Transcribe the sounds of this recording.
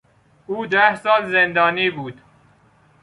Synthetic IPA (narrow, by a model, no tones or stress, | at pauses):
uːd̪æhsɒːlzend̪ɒːniːbuːd̪̥